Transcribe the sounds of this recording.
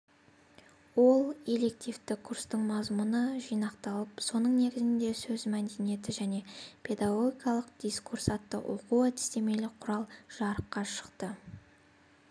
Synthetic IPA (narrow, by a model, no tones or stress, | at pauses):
wo̞lˠelːe̞kt̪ijft̪ɪkʰːurst̪əɴmɑzmʊnəʒijnɑqt̪ɑlˠəpso̞nəɴne̞ɡʲɪzɪnd̪e̞sɵzmæd̪e̞nije̞t̪ɪʒæne̞pʲʰe̞d̪aɡo̞ɡʲikɑlˠəq̚d̪̥iskʰursɑt̪ːə̰ʔo̰quæt̪ɪ̥st̪e̞me̞lɪqʰʊɾɑlˠʒ̥ɑɾəqːɑʃə̥qt̪ə